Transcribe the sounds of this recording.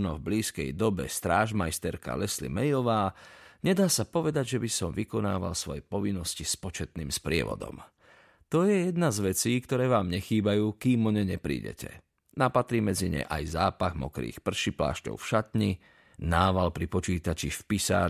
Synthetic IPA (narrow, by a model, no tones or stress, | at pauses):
nɔvbliːskɛ̰jd̪ɔbɛ̰st̪ɾaːʒmajst̪ɛɾka̰lɛslḭmɛjɔʋaːɲɛd̪aːsapɔʋɛd̪aɟʒɛbisɔmʋikɔnaːʋa̰lsʋɔjɛpɔʋinːɔscispɔt͡ʃɛt̪niːmspɾɪɛ̰ʋɔ̰d̪ɔ̰m | t̪ɔjɛjɛd̪nazʋɛt͡siːkt̪ɔɾɛːʋaːmɲɛxiːbajuːkiːmɔɲɛɲɛpɾḭːɟɛ̰cʰɛ̰ | napat̪ɾiːmɛd͡ziɲɛ̰ʔa̰jzaːpaɣmɔkɾḭːxpr̩ʃipla̰ːʃcɔ̰ʊfʃat̪ɲi | naːʋalpɾipɔt͡ʃiːt̪at͡ʃifpisa̰ː